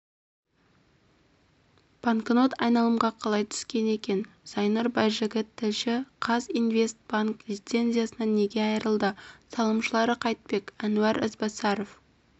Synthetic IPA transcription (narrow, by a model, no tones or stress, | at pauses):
b̥aŋkno̞t̪ɑjnɑlˠəmʁɑqʰɑlˠɑjt̪ʰʏ̥skʲe̞ne̞kʲe̞n | z̥ɑjnɑɾbɑjʒɪɡʲɪt̪ʰːɪlʃɪqʰɑzinve̞st̪̚b̥aŋkd̪ʲit̪se̞nzʲijasənɑne̞ɡʲe̞ɑjəɾəlˠd̪əsɑlˠəmʃəlˠɑɾəqʰɑjt̪̚pe̞kænuæɾɪzbɑsɑɾof